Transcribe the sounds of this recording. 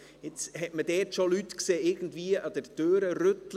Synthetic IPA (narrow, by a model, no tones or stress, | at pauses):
ɪt͡shɛtmədɛːtʃolytkseːɪɾɡən̩dviːəʔɑd̥əɾd̥øːɾəɾøtl